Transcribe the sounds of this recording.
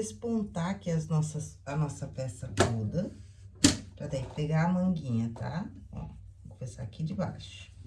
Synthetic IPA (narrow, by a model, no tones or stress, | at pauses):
espõnt̪aakiɐznɔsɐsɐnɔsɐfɛst̪ɐt̪od̪ɐ | pɾãt̪ɛ̃kɪpeɡaɐmɐ̃ŋɡĩɲɐt̪ʰa̰bõ̰kõmesa̰kid͡ʒɪba̰jʃʊ̥